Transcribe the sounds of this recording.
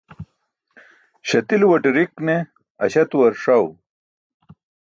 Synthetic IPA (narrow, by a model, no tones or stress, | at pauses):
ɕɐt̪ilwɐʈiɾikne | ɐ̰ɕɐt̪wɐɾʂɐw